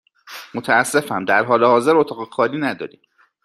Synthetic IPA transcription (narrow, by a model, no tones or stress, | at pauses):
mot̪ʰææsːe̞fæmd̪æɾɦɒːlehɒːze̞ɾot̪ʰɒːɣexɒːliːnæd̪ɒ̰ːɾḭm